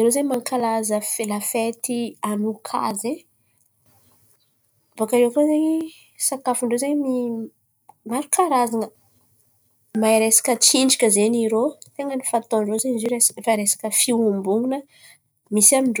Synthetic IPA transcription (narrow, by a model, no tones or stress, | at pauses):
iɾozaɲmaŋkalazəfelafet̪ianukʰa̰ze | vakaɾeakozeɲi | sakafiɳɖ͡ʐozaɲmi | maɾukaɾazanə | maiɾesḁkʲət͡siɳɖ͡ʐakʲəzeniɾot̪eŋɡənifat̪oɳɖ͡ʐozaɲzoɾesfaɾesḁkəfiumbuŋunə | misamiɳɖ͡ʐo